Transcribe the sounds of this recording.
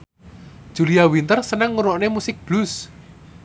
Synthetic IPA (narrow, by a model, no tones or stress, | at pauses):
d̥ʒ̥ṳliawint̪ərsənəŋːuɾɔʔnemusɪk̚b̥lʊs